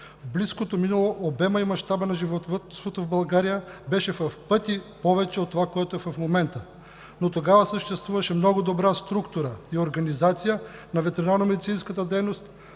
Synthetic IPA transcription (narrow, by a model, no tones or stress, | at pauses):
bliskot̪ominɐlˠoʔobɛmɐimɐʃt̪abənɐʒivot̪vt̪svot̪ovbɐlˠɡaɾijəbɛʃɛfɐfpɤt̪ipɔvɛt͡ʃɛot̪ːovakoɛt̪oɛvɐfmomɛnt̪ə | not̪oɡavəsəʃt̪ɛst̪vuvɐʃɛmnɔɡʊd̪obɾast̪ɾukt̪uɾəioɾɡɐnizat̪sijənɐvɛt̪ɛɾinaɾnomɛd̪it̪sinskət̪əd̪ɛjnost̪